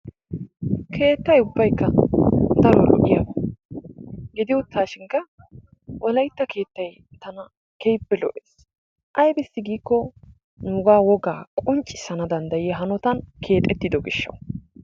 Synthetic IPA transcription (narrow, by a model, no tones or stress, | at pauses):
kʰe̞ːt̪ːɐjʊbːɐjkːɐd̪ɐɾɔlɔ̰ʔɪ̰jaːbɐ | ɡɪd̪ɪʊt̪ːaːʃɪŋkːɐ | wʔɔlɐjt̪ːɐke̞ːt̪ːɐj | t̪ɐnɐ | kejpːɛlɔ̰ʔeːs | ʔɐjbɪsːɪɡiːkːɔ | nuːɡaːwɔɡaːkʼʊnt͡ʃʼɪ̥sɐnɐd̪ɐnd̪ɐjɪɦɐnɔt̪ɐnkʰe̞ːt̪ʼɛt̪ːɪd̪ɔɡɪʃːɐ̰w